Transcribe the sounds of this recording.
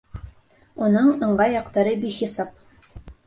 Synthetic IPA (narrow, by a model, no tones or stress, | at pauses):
unɤɴɤ̆ɴɢɑjɑqt̪ɑɾɤbiχisɑp̚